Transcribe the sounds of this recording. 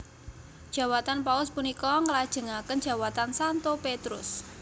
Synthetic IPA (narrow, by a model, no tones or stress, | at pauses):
d̥ʒ̥ä̤wat̪anpaʊspunikɔŋəlad̥ʒ̥ə̤ŋakən̥ʒ̥a̤wat̪ansant̪opet̪ɾʊ̰s